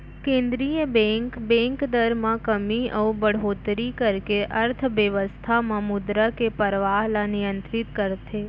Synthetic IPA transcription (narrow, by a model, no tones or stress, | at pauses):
kẽnd̪ɾijəbɛ̃ŋkbɛ̃ŋkd̪əɾmãkəmiəubəɽ̤ɦot̪ɾikəɾkeʔəɾt̪ʰʋəʋəst̪ʰamãmʊd̪ɾəkepəɾʋaɦlanɪjənt̪ɾɪt̪kəɾt̪ʰe